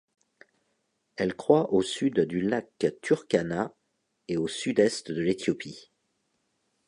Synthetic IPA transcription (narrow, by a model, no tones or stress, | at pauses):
ɛlkχwaʔosyd̪d̪ylakt̪yʁkana | eosyd̪ɛst̪d̪əlet̪jɔpi